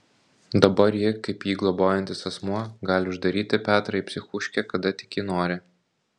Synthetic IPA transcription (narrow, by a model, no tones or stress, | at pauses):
d̪ɐbɐɾjɪkɐɪpjiːɡlˠɔboːjɛnʲt̪ʲɪsɐsmuɔɡɑːlʲɪʊʒd̪ɐɾʲiːt̪ʲɪpʲæːt̪ɾɐipʲsʲɪxʊʃʲkʲɛkɐd̪ɐt̪ʲɪ̥kjɪnoːɾʲɪ